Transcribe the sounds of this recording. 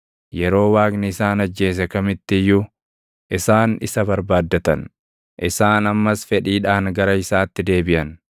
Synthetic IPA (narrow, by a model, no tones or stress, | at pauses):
jɛɾo̞ːwaːknɪɪsaːnɐd͡ʒːe̞ːs̬ɛkɐmɪt̪ːɪjːʊ | ʔɪsaːnɪ̰sɐbɐɾbaːd̪ːɐt̪ɐ̰n | ʔɪsaːnɐmːɐsfɛᶑiːᶑaːŋɡɐɾɐɪsaːt̪ːɪd̪e̞ːbɪʔɐn